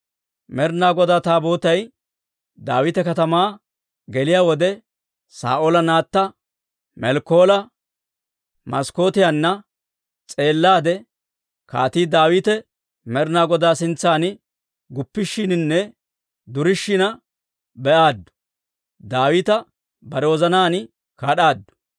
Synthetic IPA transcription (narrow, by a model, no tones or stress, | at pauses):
mɛɾnaːɡɔd̪aːt̪aːbo̞ːt̪ɐj | d̪a̰ːwɪt̪ɛkɐt̪ɐmaː | ɡɛlɪjaːwɔd̪ɛ | sa̰ːʔoːlɐnaːt̪ːɐ | mɛlkːoːlɐ | mɐsko̞ːt̪ɪjanːɐ | t͡sʼe̞ːlːaːd̪ɛ | ka̰ːt̪iːd̪aːwiːt̪ɛ | mɛɾnaːɡɔd̪aːsɪnt͡sːaːn | ɡʊpːɪʃːɪnɪnːɛ | d̪ʊɾɪʃːɪnɐ | bɛʔaːd̪ːʊ̥ | d̪aːwiːt̪ɐ | bɐɾɛwɔzɐnaːn | kaːɗaːd̪ːʊ̥